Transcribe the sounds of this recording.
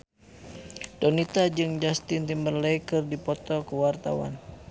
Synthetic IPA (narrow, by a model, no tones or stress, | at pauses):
d̥ɔnit̪ad͡ʒɨŋd͡ʒast̪ɪnt̪imbərləjkɨrdipɔt̪ɔkəwart̪a̰wa̰n